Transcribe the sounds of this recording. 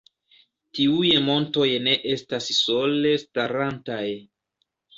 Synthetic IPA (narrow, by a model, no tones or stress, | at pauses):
tiujmo̞nto̞jne̞ʔe̞stasso̞le̞staɾantaj